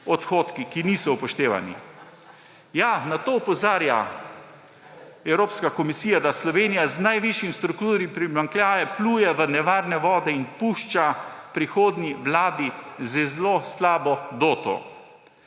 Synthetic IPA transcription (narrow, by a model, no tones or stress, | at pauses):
ɔt̪xoːt̪kikinisɔupɔʃt̪eːʋa̰nḭ | janat̪oːpɔzaːɾja̰ | ɛwɾoːpskakɔmisiːjad̪aslɔʋeːnijaznajʋiʃjimst̪ɾukt̪uːɾipɾimaŋklʲjaːjɛpluːjɛʋənɛʋaːɾnɛʋɔːd̪ɛinpuːʃt͡ʃapɾixoːd̪nʲiʋlaːd̪izəzloslaːbɔd̪oːt̪ɔ̰